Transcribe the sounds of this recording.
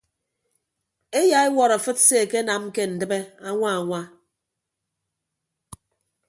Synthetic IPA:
e˦ja˨˦e˦wɔ˨ɾa˨fɨ˦tse˦˨ke˦na˨m˦ke˦n̩˨dɨ˦be˦a˦ŋʷa˦a˨ŋʷa˦

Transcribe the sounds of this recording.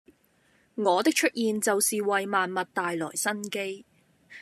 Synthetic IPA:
ŋɔː˨˧t̪ɪ˥k̚t͡ʃʰɵ˥t̚jiː˨˧nt͡sɐ˨wsiː˨wɐ˨jmaː˨nmɐ˨t̚t̪aː˨jlɔː˨˩jsɐ˥nke˥j

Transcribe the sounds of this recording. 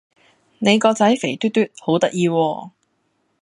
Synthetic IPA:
ne˨˧jkɔː˧t͡sɐ˨˥jfe˨˩jt̪yː˥t̪ːyː˥t̚ho˨˥wt̪ɐ˥k̚jiː˧wɔː˧

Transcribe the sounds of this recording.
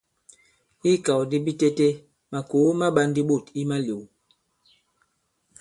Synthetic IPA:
i˦ka˨wdi˦bi˦te˦te˦ | ma˨ko˨˦ma˦ɓa˦ndi˦ɓo˦˨ti˦ma˦lo˨w

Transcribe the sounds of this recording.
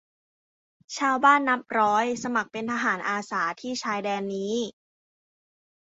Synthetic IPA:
t͡ɕʰaː˧wbaː˥˩nːa˦˥p̚ɾɔː˦˥jsa˧ma˨˩k̚pe˧nt̪ʰa˧ɦaː˩˦nʔaː˧saː˩˦t̪ʰiː˥˩t͡ɕʰaː˧jdɛː˧nːiː˦˥

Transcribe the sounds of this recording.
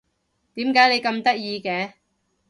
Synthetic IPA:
t̪iː˨˥mkaː˨˥jle˨˧jkɐ˧mt̪ɐ˥k̚jiː˧kɛː˨˧

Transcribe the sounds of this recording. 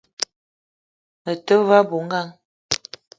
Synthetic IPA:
ə˨tə˦va˦bu˨ŋ˦ɡa˦˨ŋ

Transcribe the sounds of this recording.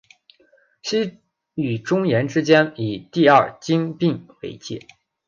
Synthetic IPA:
ɕi˥ | y˨˩ʈ͡ʂʊ˥ŋjɛ˧˥nʈ͡ʂɻ̩˥t͡ɕjɛ˥ni˨˩t̪i˥˧ɐ˞˥˩t͡ɕi˥ŋpi˥˩ŋwḛ˧˥ɪt͡ɕjɛ̰˥˩

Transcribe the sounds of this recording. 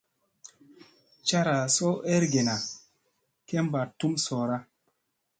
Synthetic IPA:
t͡ʃa˦ɾa˨so˦ʔe˦ɾɡe˨na˨ | ke˦mba˨tu˦mso˨ɾa˦

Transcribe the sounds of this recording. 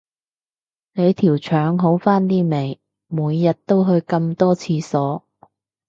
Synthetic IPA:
ne˨˧jt̪ʰiː˨˩wt͡ʃʰœː˨˥ŋɦo˨˧˥wfaː˥nt̪iː˥me˨˩j | muː˨˧jːɐ˨t̚t̪o˥wɦɵ˧ɥkɐ˧mt̪ɔː˥t͡sʰiː˨˧sɔː˨˥

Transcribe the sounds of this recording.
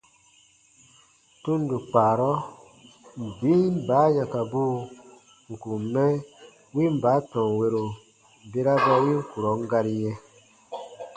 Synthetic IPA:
tũ˦n˦du˨k͡paː˨ɾɔ˦ | m̩˨bi˦i˦m˦ba˨˦jã˧ka˨bu˦ | ŋ̩˨ku˨mɛ˦ | wi˦m̩˨ba˨˦tɔ̃˨ŋ˨we˧ɾo˨ | be˦ɾa˦va˧ji˦ŋ̩˦ku˨ɾɔ˨˦ŋ˦ɡa˧ɾi˧jɛ̃˧

